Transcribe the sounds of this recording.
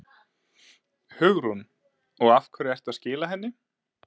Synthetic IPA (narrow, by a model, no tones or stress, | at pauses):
hʏɣɾun | ɔɣafkʰvɛɾɪɛr̥t̪aðscɪːlaɦɛnːɪ